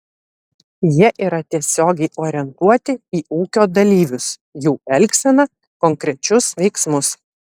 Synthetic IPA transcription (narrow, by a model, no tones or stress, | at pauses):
jiɛʔiːɾɐt̪ʲiɛsʲoːɡʲɛɪʔoːɾʲɛnt̪uɔt̪ʲɪiːuːkʲoːd̪ɐlʲiːʋʲʊsjuːɛlʲksʲɛnɐ | kɔŋkɾʲɛt͡ʃʲʊsʋʲɛɪksmʊs